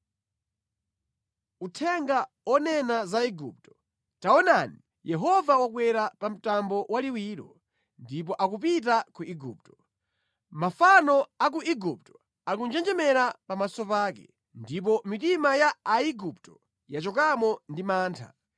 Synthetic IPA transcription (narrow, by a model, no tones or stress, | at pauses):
utʰɛŋɡa | ɔnɛnazaiɡṵp̚tɔ̥ | taɔnani | jɛɦɔvawakwɛɾapam̩tambɔwaliwiːɾɔ | ndip̬ɔʔakup̬it̬akuʔiɡṵːp̚tɔ̥ | mafanɔak̬uʔiɡup̚tɔ̥ | akund͡ʒɛnd͡ʒɛmɛɾapamasɔpaːkɛ̰ | ndip̬ɔmitimajaaiɡup̚tɔ | jat͡ʃɔkamɔndimaːntʰa̰